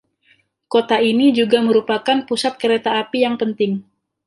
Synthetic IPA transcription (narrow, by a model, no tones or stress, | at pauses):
kot̪ainid͡ʒuɡaməɾupakanpusat̪̚kəɾet̪aːpijaŋpənt̪ɪŋ